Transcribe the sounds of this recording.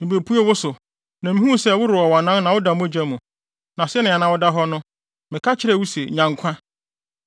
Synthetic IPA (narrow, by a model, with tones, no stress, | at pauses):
mĩ˨be˨pʰu˦e˦wʊ˦sʊ˨ | nã˨mĩ˦ũ˦˨sɛ˦˨wʊ˦ɾʊ˨ɔ˨wa˨nã˦n˦nã˨wʊ˦da˨mũ˦˨d͡ʑæ˦mũ˨ | nã˨sɛ˦nɪ̃˨a˨nã˨˦wʊ˦da˦ɦɔ˦nʊ̃˦ | mɪ̃˨kʰa˦t͡ɕʰɪ˦ɾɛ˦˨wu˦sɛ̰˨ɲã˨ŋkʷʰã˦